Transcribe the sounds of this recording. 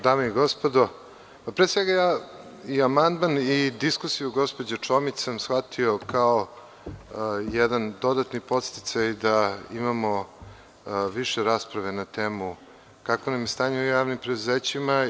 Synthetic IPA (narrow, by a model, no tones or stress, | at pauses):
d̪aːmeiɡo̞spo̞d̪o̞ | papɾesʋeɡajaːiamand̪manid̪iskusijuɡo̞spo̞d͡ʑet͡ʂo̞mit͡ɕsamsxʋat̪ʰio̞kʰao | jɛd̪and̪o̞d̪at̪nipo̞t̪st̪it̪sajd̪aimamo̞ | ʋiʃeɾaːspɾaʋe̞nat̪eːmu | kakonamjest̪aːɲeujaːʋnimpɾed̪uzeːt͡ɕima